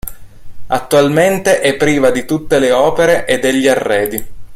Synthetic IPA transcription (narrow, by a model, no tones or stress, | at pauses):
at̪ːualment̪eʔɛpːɾiːvad̪it̪ut̪ːeleɔːpeɾeʔed̪ːeʎːiarːɛːd̪i